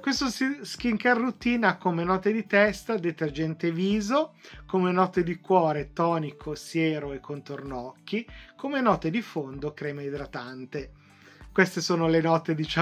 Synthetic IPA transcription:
kwest̪osisk̟iŋkarːut̪iːnakomenɔːt̪ed̪it̪ɛst̪ad̪et̪erd͡ʒɛnt̪eviːzokomenɔt̪ed̪ikwɔːɾet̪ɔːnikʰosjeːɾoekːont̪ornɔkʰːikomenɔːt̪ed̪ifond̪okɾɛːmeid̪ɾat̪ant̪e | kwest̪esoːnolenɔt̪ed̪it͡ʃa

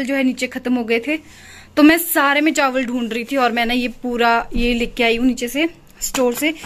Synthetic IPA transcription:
ld͡ʒoːɦɛniːt͡ʃekʰɐt̪mɦoːɡɐet̪ʰe | t̪omɛ̃ːsaːɾemẽʈaːʋəlɖʱũːɳɾɐɦit̪ʰiɔːɾmɛ̃ːnajepuːɾajelekeaːiũniːt͡ʃese | sʈoːɾse

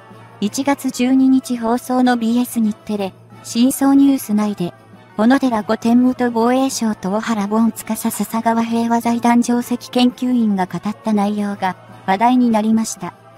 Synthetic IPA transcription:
it͡ɕiɡat͡sɨd͡ʑɨːɲ̟iɲ̟it͡ɕiɦo̞ːso̞ːno̞bʲiːe̞sɨɲ̟it̪ːe̞ɾe̞ | ɕĩɰ̃so̞ːɲ̟ɨːsɨnaid̪e̞ | ho̞no̞d̪e̞ɾaɡo̞t̪ẽ̞mːɯt̪obo̞ːe̞ːɕo̞ːt̪o̞ohaɾabõt͡sɨ̥kasasasaɡaβaɦe̞ːβazaid̪ãɲ̟d͡ʑo̞ːse̞kʲi̥kẽ̞ŋkʲɨːĩŋɡakat̪at̪ːanaijo̞ːɡa | βad̪aiɲ̟inaɾʲimaɕi̥t̪a

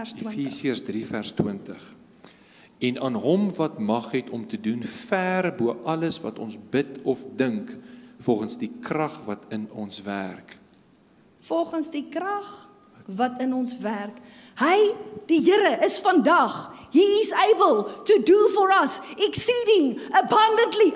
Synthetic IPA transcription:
sfiːsiərsdrifærstwəntəχ | ɛnɑːnɦɔmvɐtmɐχɦɛtʰɔmtədunfærbuəʔɐləsvɐtɔnsbətɔfdəŋkfɔlˠχənsdikrɐχvɐtʰənɔnsværk | fɔlˠχənsdikrɐχ | vɐtənɔnsværk | həjd̥iɦəɾəʔəsfɐndɐχɦiːsɛɪbəlˠtudufɔɹɐsɛksiːdɪŋəbɐndəntli

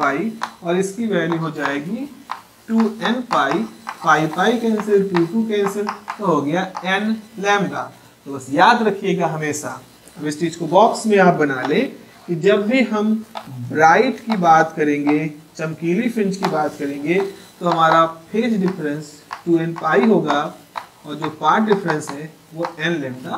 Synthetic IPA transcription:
paːiɔːɾɪskiʋɛːljiɦod͡ʒaːeːɡi | ʈuːɛnpaːipaːipaːikɛ̃ːnsɪɾʈuːʈukɛ̃ːnsəɾt̪oɦoɡɐjaɛnlɛːmɡa̰ː | t̪obɐsjaːd̪ɾɐkʰijeːɡaɦɐmeːʃa̰ | ɐbɪst͡ʃiːd͡ʒkobɔːksmẽaːp̚bɐnaːlẽ | kid͡ʒɐbːʱiɦɐmbɾaːɪʈkibaːt̪kɐɾẽːŋɡet͡ʃɐ̃mkiːlipʰɪ̃nt͡ʃkibaːt̪kɐɾẽːŋɡet̪oɦɐmaːɾapʰeːd͡ʒɖɪfʰɾə̃nsʈuːɛ̃npaːiɦoːɡa | ɔːɾd͡ʒoːpaːɾʈ̚ɖɪpʰɾə̃nsɦɛ | ʋoɛːnlɛ̃ːmɖaː

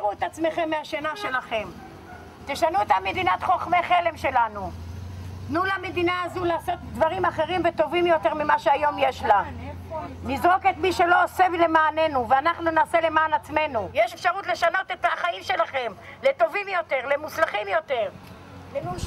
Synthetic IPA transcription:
ʃauet̪at͡sme̞χe̞mːeaʃenaʃe̞laχe̞m | t̪eʃanuot̪amːe̞d̪inat̪χo̞χme̞χe̞le̞mʃe̞lanu | nulame̞d̪inaːzulaːso̞t̪dvaʁimaχe̞ʁimvet̪o̞vimjo̞t̪e̞ʁmimaʃeajo̞mjeʃla | nizʁo̞ke̞t̪miʃe̞lo̞ːsevile̞maːne̞nuveanaχnunaːse̞le̞maːnat͡sme̞nujeʃefʃaʁut̪le̞ʃano̞t̪et̪aχaimʃe̞laχe̞m | leto̞vimjo̞te̞ʁlemuslaχimjo̞t̪e̞ʁ

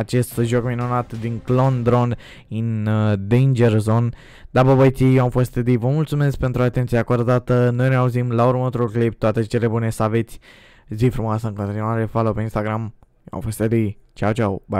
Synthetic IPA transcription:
at͡ʃe̞st̪ʒo̞kminunat̪d̪iŋklond̪ɾo̞nd̪ | ɨnd̪ejnd͡ʒerzo̞n | d̪abəbəjt̪ijewamfost̪ed̪ivəmult̪sume̞sk̚pe̞nt̪ɾuat̪e̞nt̪sieakoaɾod̪at̪əno̞jneauzimlauɾmaot̪ɾuklip̚t̪oat̪e̞t͡ʃe̞le̞bune̞səave̞t̪sʲ | zifɾumoasəɨŋko̞nt̪inuaɾe̞falopeinst̪aɡɾamjewa̰mfost̪ed̪it͡ʃawt͡ʃawba

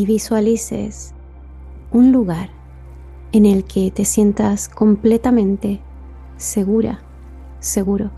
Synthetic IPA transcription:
iβiswalisḛs | unluɣaɾ | ene̞lkʰe̞t̪e̞sje̞nt̪asko̞mple̞t̪amẽnt̪e̞ | se̞ɣuɾa̰ | se̞ɣuɾo

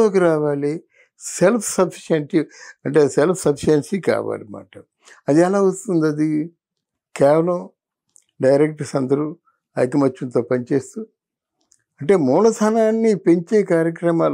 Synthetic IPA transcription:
oːkiɾaːʋaːli | selpʰsɐpʰi̥ʃɐɳʈiɐɳʈe̞ːselpʰsɐpʰiʃɐnsika̰ːʋa̰ːlima̰ːʈɐ | ɐd̪ɛlaːʋɐst̪und̪ɐd̪i | kɛːʋɐlɐm | ɖɐjɾek̚ʈɐsɐnd̪ɐɾu | ɐ̰jkimɐt͡ʃːunt̪o̞ːpɐnit͡ʃe̞ːst̪u | ɐɳʈe̞ːmuːnɐt̪ʰɐnaːnːipe̞ɲt͡ʃeːkaːɾjɐkɾɐmaːl

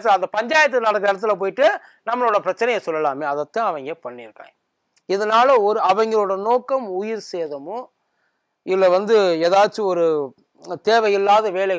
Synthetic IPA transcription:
t̪̬ːɯlɐnd̪ɐpɐɲd͡ʒaːjɐt̪̬ːɯnɐɽɐk̬ːɪɽɐt̪̬ːɪlɐp̬oːjɪʈːɯ | nɐmːɐɭoːɽɐpɪɾɐt͡ʃːɐnɐjɐsɔlːɐlaːmeːɐðɐt̪ːãːɐʋɐŋɡeːpɐɳːɪɾɯkːã̰ː | ɪðɐnaːlɐɔɾɯɐʋɐŋɡɐɭoːɽɐnoːkːɐmʊjɪɾseːðɐmʊ̃ | ɪlːɐʋɐnd̪ɯeːðaːt͡ʃːɯɔɾɯ | t̪eːʋɐjɪlːaːðɐʋeːlɐɣɐ

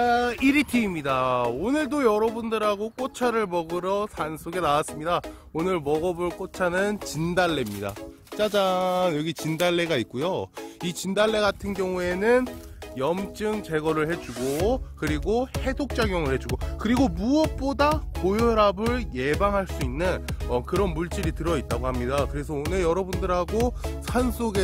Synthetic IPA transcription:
iɾitʰiːmɲidaonɯɭdojʌɾʌbundɯɾɦaɡok͈ot͡ɕʰaɾɯɭmʌɡɯɾʌsansʰoɡe̞nawas͈ɯmɲida | onɯɾɭmʌɡʌbɯɭk͈ot͡ɕʰanɯnt͡ɕindaɭːe̞mɲida̰ | t͡ɕ͈ad͡ʑanjʌɡit͡ɕindaɭːe̞ɡaik̚k͈ojoit͡ɕindaɭːe̞ɡatʰɯnɡjʌŋue̞nɯn | jʌmt͡ɕ͈ɯŋt͡ɕe̞ɡʌɾɯɭhe̞d͡ʑuɡokɯɾiɡohe̞dok̚t͡ɕ͈aɡjoŋɯɭhe̞d͡ʑuɡokɯɾiɡomuʌp̚p͈odakojoɾabɯɭje̞baŋɦaɭs͈uinːɯnʌkɯɾʌnmuɭt͡ɕ͈iɾitɯɾʌit̚t͈aɡoɦamɲidakɯɾe̞s̬ʰʌonɯɭjʌɾʌbundɯɾɦaɡosʰansʰoɡe

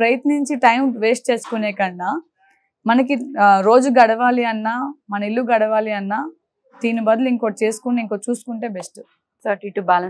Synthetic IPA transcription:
pɾɐjɐt̪niɲt͡ʃiʈɐjmʋeːsʈ̚t͡ʃe̞ːsu̥kuneːkɐɳːaː | mɐnɐk̬iɾo̞ːd͡ʒuɡɐɽɐʋaːliɐnːaːmɐnɐilːuɡɐɽɐʋaːliɐnːaː | d̪iːnibɐd̪ɐluiŋko̞ːt͡ʃe̞ːsu̥kunːiŋko̞ːt͡ʃuːsu̥kuɳʈe̞ːbesʈu | sɐʈiʈubaːlɐ

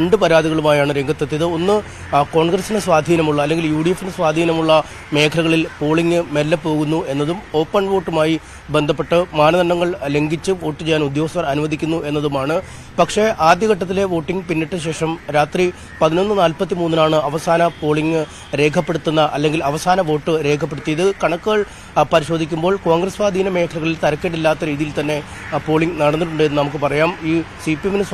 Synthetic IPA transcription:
eɳɖɨpɐɾaːd̪iɣɐɭumaːjaːɳɨɾe̞ŋɡʱɐt̪ːɐt̪ːiɐðɨo̞nːɨ | ko̞ːɳɡrɐsinɨsʋaːd̪ʱiːnɐmuɭːɐɐlːe̞ŋɡiljuːɽijefːinɨsʋaːd̪ʱiːnɐmuɭːɐ | me̞ːkʰɐlɐɣɐɭilpo̞ːɭiŋːɨmelːɐpːo̞ːɣunːue̞nːɐðumo̞ːpːɐnʋo̞ːʈːumaːji | be̞nd̪ʱɐpːe̞ʈːɨmaːnɐðɐɳːɐŋːɐɭle̞ŋɡit͡ɕːɨʋo̞ːʈːɨt͡ɕejːaːnud̪jo̞ːɐst̪ʋɐrɐnuʋɐd̪ʱikʲːunːuʔe̞nːɐðumaːɳɨ | pɐkʂe̞ʔaːd̪jɐɣɐʈːɐt̪̬ːile̞ʋo̞ːʈːiŋɡɨpinːiʈːɨɕe̞ːʂɐmɾaːt̪ri | pɐðino̞nːɨnaːlpɐt̪ːimuːnːinaːɳɨɐʋɐsaːnɐpo̞ːɭiŋɨ | ɾe̞ːkʰɐpːe̞ɽut̪ːunːɐʔɐlːe̞ŋɡilɐʋɐsaːnɐʋo̞ːʈːɨɾe̞ːkʰɐpːe̞ɽut̪ːijɐðɨkɐɳɐkːɨɣɐɭ | pɐɾiɕo̞ːd̪ʱikʲːumbo̞ːɭko̞ːŋɡrɐsʋaːd̪ʱiːnɐme̞ːkʰɐlɐɣɐɭilt̪ɐɾɐkːeʈ̬ːilːaːt̪ːɐɾiːðijilt̪ɐnːe̞ | po̞ːɭiŋɡnɐɽɐnːiʈːuɳɖɨenɨnɐmuk̬ːɨpɐrɐjaːmiːsipiemenɨs

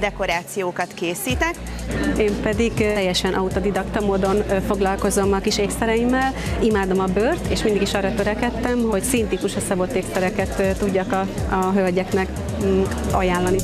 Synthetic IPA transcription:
d̪ɛko̞ɾaːt̪sijoːkɒt̪keːsiːt̪ɛkeːmpɛd̪iɡɛjɛʃɛnʔɒut̪o̞d̪id̪ɒkt̪ɒmoːd̪o̞nfo̞ɡlɒlko̞zo̞mɒkiʃeːksɛɾɛimːɛlimaːd̪o̞mɒbøːrt̪eːʃmind̪iɡiʃɒːɾɒt̪øɾɛkɛt̪ːɛmhoocsint̪ikuʃɒsɒbo̞t̪ːeːksɛɾɛkɛt̪t̪ːuɟːɒkɒɒɦølɟɛknɛk | ɒjaːlːɒni

